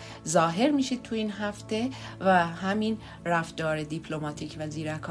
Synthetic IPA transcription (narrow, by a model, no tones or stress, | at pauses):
zɒːɦe̞ɾmiːʃiːd̪̥̚t̪ʰuiːnɦæft̪e̞væɦæmin | ɾæfd̪̥ɒːɾed̪ipʰlo̞mɒːt̪ʰicʰvæziːɾækʰː